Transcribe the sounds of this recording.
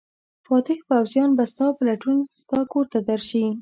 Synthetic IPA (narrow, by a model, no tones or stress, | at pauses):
fɑt̪ɪxpawzjɑnbast̪ɑpəlaʈunst̪ɑkoɾt̪ad̪aɾʃi